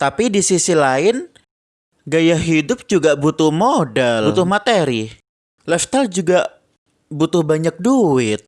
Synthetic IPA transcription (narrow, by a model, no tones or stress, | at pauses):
t̪apidisisilaɪn | ɡajaɦidʊp̚d͡ʒuɡabut̪ʊhmodɛlut̪ʊhmat̪eɾi | lɛft̪ald͡ʒuɡaʔ | but̪ʊhbaɲak̚duɪt̪̚